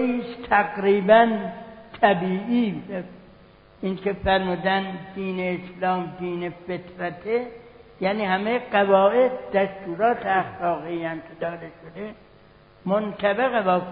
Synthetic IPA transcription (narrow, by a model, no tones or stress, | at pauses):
iːst̪ʰæɡɾiːbænt̪ʰæbiːʔiːv | iːnkʰefæɾmuːd̪ænd̪iːneːslɒːmd̪iːne̞fet̪ɾæt̪ʰejæːniːhæmeɡævɒːe̞d̪̚d̪æst̪uːɾɒːt̪ʰeæxlɒːɣiæmkʲʰed̪ɒːd̪eʃod̪e | mont̪ʰæbeɣebɒː